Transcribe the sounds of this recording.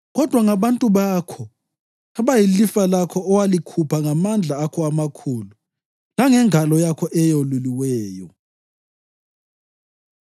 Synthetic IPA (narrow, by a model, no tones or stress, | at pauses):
ɣɔd̥ʱwaŋaβantʼuβaːkʰɔ | aβajilifalakʰɔːwalikʰupʰaŋamand͡ɮʱaːkʰɔamakʰuːlu | laŋɛŋʱalɔjakʰɔʔɛjoluliwɛːjɔ̰